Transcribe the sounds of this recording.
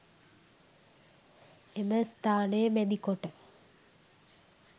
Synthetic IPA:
eməst̪aːnemed̪ikːoʈːɐ

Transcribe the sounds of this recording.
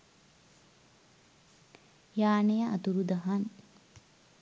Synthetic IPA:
jaːnejaʔa̰t̪uɾud̪ɐɦan

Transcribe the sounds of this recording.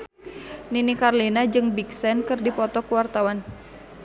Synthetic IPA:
ninikarlinad͡ʒɨŋbiksɛnkɨrdipɔt̪ɔkuwart̪awan

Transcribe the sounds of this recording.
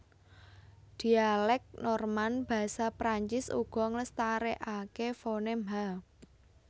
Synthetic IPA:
d̪̥i̤alɛk̚nɔrmanb̥ä̤sapɾaɲt͡ʃɪsṵɡ̥ɔ̤ŋləst̪aɾeʔakefonema

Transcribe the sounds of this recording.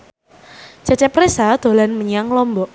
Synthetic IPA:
t͡ʃat͡ʃɛpɾesad̪̥o̤lanməɲiaŋlɔmbɔʔ

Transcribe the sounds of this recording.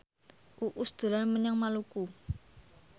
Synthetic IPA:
ʔuʔusd̪̥o̤lanməɲaŋmaluku

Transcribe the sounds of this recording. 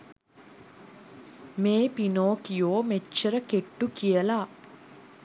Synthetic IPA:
meːpinoːkijoːmet͡ʃːəɾəkeʈːukijəla

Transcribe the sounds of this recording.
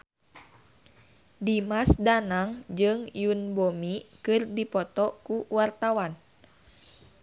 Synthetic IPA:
dimasdanaŋd͡ʒɨŋjunbomikɨrdipɔt̪ɔkuwart̪awan

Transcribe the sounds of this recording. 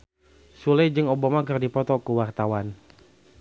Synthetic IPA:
sulɛd͡ʒɨŋobamakɨrdipɔt̪ɔkuwart̪awan

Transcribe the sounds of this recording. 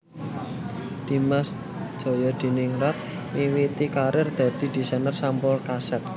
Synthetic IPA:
d̪̥i̤mas | d̥ʒ̥o̤jɔd̪̥i̤niŋɾat̪̚ | ŋiwit̪ikaɾɪrd̪̥a̤d̪̥i̤d̪̥i̤sanərsampɔlkasɛt̪̚

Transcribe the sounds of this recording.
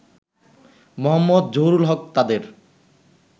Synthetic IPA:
mɔɦɔmːɔd̪̚d͡ʑowɾulɦɔk̚t̪ad̪eɾ

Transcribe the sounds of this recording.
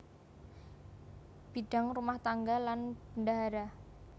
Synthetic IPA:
b̥iɖ̥a̤ŋrumaht̪aŋɡalanb̥əndaɦaɾa

